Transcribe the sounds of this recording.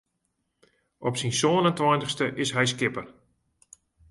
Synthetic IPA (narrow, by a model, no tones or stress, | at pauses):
ʔɔpsinsonəntʋɔjntəxstəʔɪsɦɛjs̬kɪpər